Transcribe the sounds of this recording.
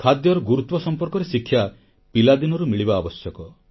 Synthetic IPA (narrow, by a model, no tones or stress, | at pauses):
kʰad̪jɔɾɔɡuɾut̪wɔsɔmpɔɾkɔɾesikʰːja | pilad̪inɔɾumiɭibaːbɔsjɔkɔ